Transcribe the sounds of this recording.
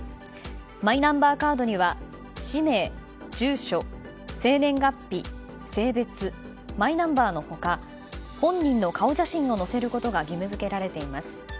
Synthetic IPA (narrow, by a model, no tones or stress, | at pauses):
mainãmbaːkaːd̪o̞ɲ̟iβ̞a | ɕime̞ː | d͡ʑɨːɕo̞ | se̞ːnẽ̞ŋɡapʲːi | se̞ːbe̞t͡sɨ | mainãmbaːno̞ho̞ka | hõ̞ɲːĩnːo̞kao̞ʑaɕĩɰ̃o̞no̞se̞ɾɯ̟ko̞t̪o̞ɡaɡʲimɯ̟zɨke̞ɾaɾe̞t̪e̞imasɨ̥